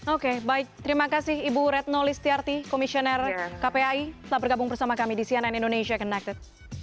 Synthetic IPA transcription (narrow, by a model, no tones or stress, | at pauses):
okebaɪk̚t̪əɾimakasɪhibuɾɛt̪̚nolɪst̪iart̪ikomisionɛrkapeait̪əlahbərɡabʊŋpərsamakamidisiananindoneʃiakənak̚t̪ət̪̚